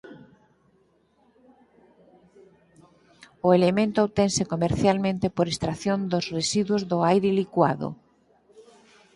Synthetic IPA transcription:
ʊelemẽnt̪oowt̪ensekomeɾθjalmẽnt̪epoɾest̪ɾaθjond̪osresiðwʊzðoajɾelikwaðo̰

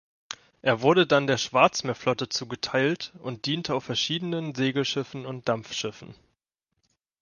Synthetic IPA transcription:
ʔeːɐvʊɐɾədandeːɐʃv̥aɐt͡smeːɐflɔtət͡suːɡətʰaɪltʔʊnt̚d̥iːntʰəaʊfɛɐʃiːdənənzeːɡl̩ʃɪfn̩ʊnt̚d̥amfʃɪfn̩

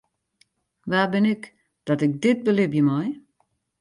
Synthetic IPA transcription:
ʋabɪnɪk | d̥ɔtɪk̚dɪt̚bəlɪbjəmɔj

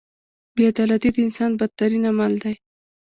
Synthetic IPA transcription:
bead̪ɑlat̪id̪əɪnsɑnbad̪̚t̪aɾinamald̪aj

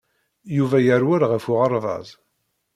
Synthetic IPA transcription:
juvæjəɾwæɾʁəfʊʁɑɾˤðˤɑ̰zˤ

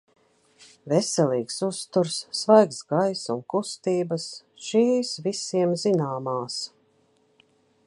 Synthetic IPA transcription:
vɛsɛliːksust̪uɾsːvajksɡajsunkust̪iːbəs | ʃiːsvisiɛmzinaːmaːs

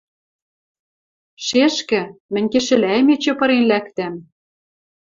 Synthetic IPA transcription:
ʃeʃkɘ̆mɘ̆nʲkĕʃɘ̆læjmet͡ɕɤ̆pɤ̆ɾenlækt̪æm

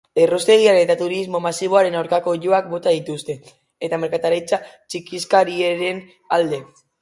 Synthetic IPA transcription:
e̞rost̪e̞ɣiaɾet̪at̪uɾizmo̞masiβ̞o̞aɾe̞nawɾkako̞ʝo̞ak̚bo̞t̪aðit̪ust̪e̞ | et̪ame̞ɾkat̪aɾajt͡sat͡ʃikiskaɾieɾe̞n | ald̪e̞

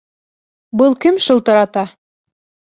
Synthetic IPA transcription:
bɤlˠkɘmʃɤ̆lˠt̪ɑɾɑt̪ɑ

